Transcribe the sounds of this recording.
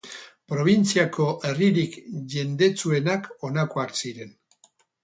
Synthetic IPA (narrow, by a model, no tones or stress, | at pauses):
pɾo̞β̞int͡siako̞ʔe̞riɾikʝe̞nd̪e̞t͡sue̞nako̞nakoaksiɾe̞n